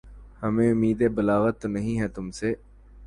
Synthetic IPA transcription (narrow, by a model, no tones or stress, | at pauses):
hɐmẽʊmiːd̪ebɐlaːɣət̪ːonɐɦĩɦɛt̪ʊmseː